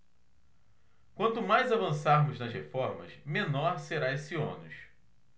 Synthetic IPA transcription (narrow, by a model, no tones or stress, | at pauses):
kwɐ̃nt̪ʊmajzavɐ̃saɾmʊznɐzhefɔɾmɐ̰ʃmẽnɔɾseɾaesiõnʊʃ